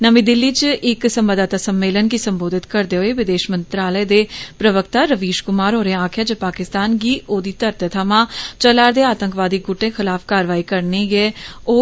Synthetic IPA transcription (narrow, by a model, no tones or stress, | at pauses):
nəmĩd̪ɪlːiːt͡ʃɪksəmʋəd̪aːt̪asəmːeːlənkisə̃mboːd̪ʱɪt̪kəɾd̪eːɦoeʋɪd̪eːʃmə̃nt̪ɾaːləed̪eːpɾəʋək̚t̪aːɾəʋiːʃkʊmaːɾɦoːɾẽaːkʰjaːd͡ʒəpaːkɪst̪aːnɡiːʔoːd̪iːt̪əɾt̪ʰət̪ʰəmãːt͡ʃəlaːɾd̪eːaːt̪ə̃ŋkʋaːd̪iɡʊʈːẽxʰɪlaːfkaːɾʋaːikəɾneɡeoː